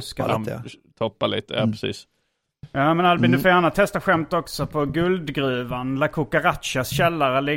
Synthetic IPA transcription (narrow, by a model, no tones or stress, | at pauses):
skamt̪ʰɔpːalḭːt̪əja̰ːpʰɾɛsḭːs | jaːmɛnalbɪnd̪əfɛanat̪ʰɛst̪aɧɛmt̪ɔksɔpʰɔɡɵld̪ɡɾʉ̟ːvanlakʰukːaɾat̪ʃasɕɛlːaɾəlɪ